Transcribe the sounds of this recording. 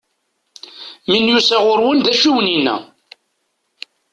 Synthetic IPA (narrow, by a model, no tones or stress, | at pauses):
minjusæʁʊɾwənd̪æʃuwəninːæ̰